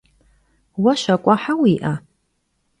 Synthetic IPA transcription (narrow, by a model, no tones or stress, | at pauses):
waʃakʷʼaħawiːʔa